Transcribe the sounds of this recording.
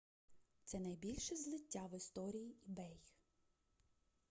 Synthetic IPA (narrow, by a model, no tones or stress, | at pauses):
t̪sɛnɐjbʲilʲʃɛzlˠɪtʲːaʋɪst̪ɔɾʲijiibɛj